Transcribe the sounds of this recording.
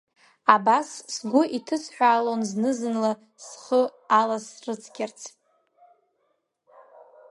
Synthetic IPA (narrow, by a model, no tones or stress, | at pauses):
abassɡʷʊʔitʰɨsʰħʷᶣaːlonznɨzɨnla | sχəalasrɨt͡sʰɡʲart͡sʰ